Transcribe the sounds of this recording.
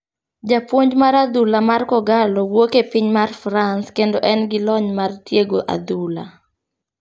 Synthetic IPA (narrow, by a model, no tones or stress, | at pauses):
d͡ʒapwoɲd͡ʒmaɾad̪ulamarkɔɡalɔwokepiɲmarfɾanskendoʔɛnɡɪlɔɲmartjeɡoʔa̰d̪ula̰